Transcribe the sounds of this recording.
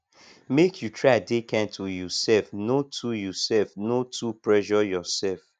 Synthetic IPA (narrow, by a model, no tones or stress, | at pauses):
mekʰjutʰɹadekɛ̃ntʰujusɛlfnotʰujusɛlfnotʰupɹɛʒɔjɔsɛlf